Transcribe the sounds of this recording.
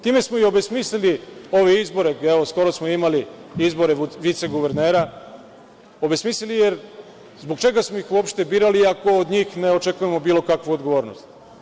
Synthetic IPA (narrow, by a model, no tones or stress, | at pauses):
t̪iːme̞smoiobesmislilio̞ʋeizbo̞ɾeeʋosko̞ɾosmoimaliizbo̞ɾe̞ʋit̪se̞ɡuʋeɾneːɾa | o̞be̞smiːslilije̞ɾ | zbo̞ɡt͡ʃe̞ɡasmoixuo̞pʃt̪e̞biːɾaliako̞od̪ɲiːxne̞o̞t͡ʃe̞kujemo̞biːlo̞kakʋuod̪ɡo̞ʋo̞ːɾno̰st̪